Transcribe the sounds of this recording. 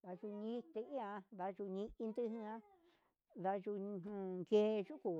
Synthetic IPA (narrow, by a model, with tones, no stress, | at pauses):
ða˧ʒu˧ɲĩ˦t̪e˧ĩ˦ã˧ða˧ʒu˧ɲĩ˧i˧nd̪ɨ˦ɦĩ˧ã˦ | ða˧ʒu˧ɦũ˧ŋke˦ʒu˦ku˨